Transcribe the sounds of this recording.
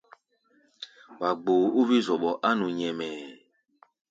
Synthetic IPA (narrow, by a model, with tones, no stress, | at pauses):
wa˨ɡ͡bo˨o˦vi˦zɔ˨ɓɔ˨ʔa˦nũ˨ɲɛ̃˨mɛ˨